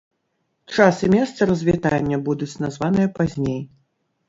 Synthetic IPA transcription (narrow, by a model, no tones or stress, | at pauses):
t͡ʂasɨmʲɛst̪sɐɾɐzʲvʲit̪anʲːɐbud̪ut͡sʲnazvanɨjɐpazʲnʲej